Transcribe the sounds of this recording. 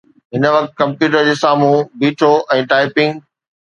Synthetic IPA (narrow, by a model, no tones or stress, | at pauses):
ɦɪnəʋɐk̚t̪̚kɐ̃mpjuːʈəɾd͡ʑeːsaːmũbiːʈʰoʔɛ̃ːʈaːɪpɪ̃ŋɡ